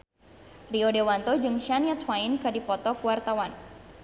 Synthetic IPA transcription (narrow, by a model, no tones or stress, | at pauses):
riodewant̪ɔd͡ʒɨŋʃanjat̪wainkadipɔt̪ɔkuwart̪awan